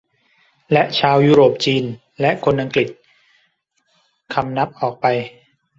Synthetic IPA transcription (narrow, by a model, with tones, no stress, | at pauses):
lɛ˦˥ʔt͡ɕʰaː˧wjuː˦˥ɾoː˨˩p̚t͡ɕiː˧n | lɛ˦˥ʔkʰo˧nʔa˧ŋkli˨˩t̪̚ | kʰa˧mna˦˥p̚ʔɔː˨˩k̚pa˧j